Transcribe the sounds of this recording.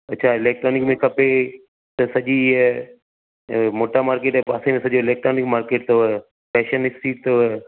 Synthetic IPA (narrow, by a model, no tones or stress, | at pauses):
ɐtːt͡ʃʰaːɪleːk̚ʈɾoːnɪkmẽkʰɐpe | t̪ɐsɐʄiː | moːʈaːmaːɾkeːʈːbaːsemẽsɐʄoɪleːk̚ʈɾoːnɪkmaːɾkeːʈ̚t̪oe | pɛːʃənɪksiːʈ̚t̪o